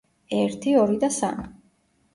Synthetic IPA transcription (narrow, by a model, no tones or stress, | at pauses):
ɛɾt̪ʰiɔɾid̪asa̰mi